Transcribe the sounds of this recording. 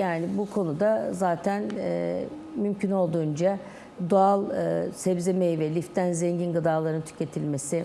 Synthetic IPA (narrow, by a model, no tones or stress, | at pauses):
jaːnibukʰo̞nud̪azaːt̪ʰæn̰ː | mymcʰyno̞lˠd̪uːnd͡ʒa | d̪oalˠɯsɛbzemejivɛlʲift̪ʰːænzeɲɟinɡɯd̪aːlˠaɾɯnt̪ʰy̥ce̞t̪ʰilʲme̞sɪ